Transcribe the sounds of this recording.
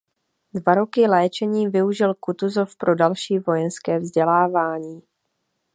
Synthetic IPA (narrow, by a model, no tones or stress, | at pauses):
dvaɾo̞kɪlɛːt͡ʃɛɲiːvɪuʒɪlkut̪uzo̞fpɾʔo̞dalʃiːvo̞jɛnskɛːvzɟɛlaːvaːɲiː